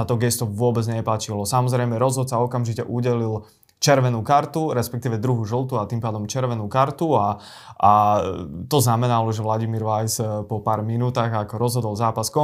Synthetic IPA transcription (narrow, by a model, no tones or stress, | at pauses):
at̪ɔɡɛst̪ɔʋʊɔbɛd͡zɲɛplacilɔsamɔzɾɛjmɛɾɔzɦɔt̪saɔkamʒicɛʔuɟɛlil | t͡ʃɛɾʋɛnuːkaɾt̪uɾɛspɛkt̪iːʋɛd̪ɾuɦuʒɔlˠt̪uat̪impaːd̪ɔmt͡ʃɛɾʋɛnuːkaɾt̪ua | ʔa | t̪ɔznamɛnalɔʒɛʋlaɟimiɾʋajzpɔpaːɾminuːt̪aːɣakɔɾɔzɦɔd̪ɔlˠzaːpaskɔ